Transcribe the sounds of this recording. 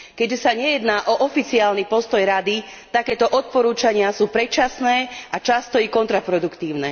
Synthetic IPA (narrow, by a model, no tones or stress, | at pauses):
kɛɟʒɛsaɲɛjɛd̪naːʔɔʔɔfit͡siaːlnipɔst̪ɔjɾad̪i | t̪akɛːt̪ɔʔɔt̪̚pɔɾuːt͡ʃaɲɪasuːpɾɛt͡ʃasnɛːat͡ʃast̪ɔikɔnt̪ɾapɾɔd̪ukt̪iːʊnɛː